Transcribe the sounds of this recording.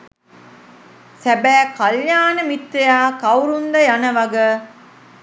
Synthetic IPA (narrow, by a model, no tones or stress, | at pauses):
sæbæːkɐljaːnəmit̪ːejaːkɐwɾund̪ɐjanəʋɐɡə